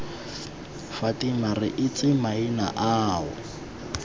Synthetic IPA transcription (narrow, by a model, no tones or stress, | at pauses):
fatʼɪmarɪʔɪt͡sʼɪmaina̰ʔaːʊ̰